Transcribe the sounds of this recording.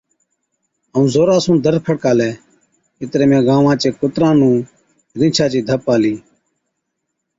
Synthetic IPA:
ɦəũːzoːɾaːsũːnd̪əɾpʰəɽkaːlɛː | ɪt̪ɾeːmẽːɡãːʋãːt͡ʃeːkʊt̪ɾãːnũː | ɾɪ̃ːt͡ʃʰãːt͡ʃiːd̪ʱəpːaːliː

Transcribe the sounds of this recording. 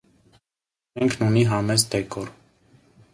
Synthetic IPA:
mɛŋkʰnuniɦɑmɛzd̪ɛkɔɾ

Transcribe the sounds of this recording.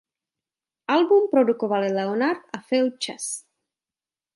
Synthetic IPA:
ʔalbumpɾodukovalɪlɛonaɾt̪afɪl̚t͡ʃas

